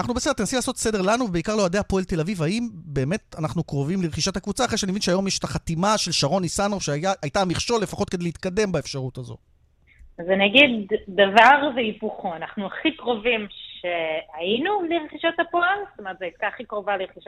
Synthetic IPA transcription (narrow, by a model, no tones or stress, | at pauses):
anaχnubesedet̪̬enasilaːso̞tsede̞ʁlanuvebeikaʁload̪ehapo̞elt̪e̞lavivaimbe̞ːme̞tanaχnukʁo̞vimleʁχiʃathakvut͡saxχʁeʃeanivinʃeajo̞mjeʃet̪aχat̪imaʃe̞lʃaʁo̞nisanofʃeajaʔːjtamiχʃo̞lːefaχo̞t̪̚kedelit̪kade̞mbaefʃaʁutazo̞̰ | azenaɡid̪ːavaʁveipuχoanaχnuaχikʁo̞vimʃeainuliʁeχiʃat̪hapoelst̪omeʁt̪zeajt̪̚kaχikʁovaleʁeχiʃa